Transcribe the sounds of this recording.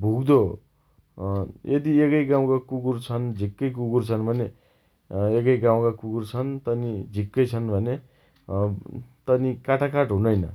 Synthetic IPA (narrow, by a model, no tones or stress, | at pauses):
bʱuɡd̪o | jʔed̪iekʌjɡãw̃kakuɡurt͡sʰʌnd͡zʱikːʌjkuɡurt͡sʰʌnbʱʌne | ekʌjɡãw̃kakuɡurt͡sʰʌnt̪ʌnid͡zʱikːʌjt͡sʰʌnbʱʌne | t̪ʌnikaʈʰakaʈɦunʌjnʌ